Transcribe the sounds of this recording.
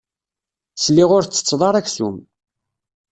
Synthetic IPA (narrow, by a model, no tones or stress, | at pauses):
slːiʁʊɾt͡sːə̥t͡sːðˤɑɾˤækθṵm